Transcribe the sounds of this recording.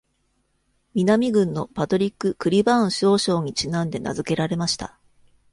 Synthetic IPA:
mʲinamʲiɡɯ̟̃nːo̞pat̪o̞ɾʲikːɯ̟kɯ̟ɾʲibãɕo̞ːɕo̞ːɲ̟it͡ɕinãnd̪e̞na̰zɨke̞ɾaɾe̞maɕi̥t̪a̰

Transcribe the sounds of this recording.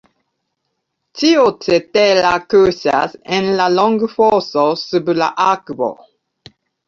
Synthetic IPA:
tʰiotʰetɛlakɜsa̰sɪ̃nlalɔ̃ŋɡfɔsɔsəbla̰ʔakbɔ̰

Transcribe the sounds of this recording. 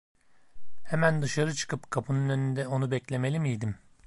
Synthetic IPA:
hɛmænd̪ɯʃaɾɯt͡ʃʰɯ̥kʰɯpkʰapʰɯnunø̞nynd̪ɛo̞nubɛclʲe̞me̞lʲimijd̪im

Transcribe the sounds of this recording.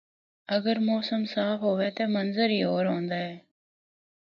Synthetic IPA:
ɐɡəɾmoːsəmsaːfɦoːʋeːt̪eːmɐnzəɾiːoːɾɦõːnd̪aːeː

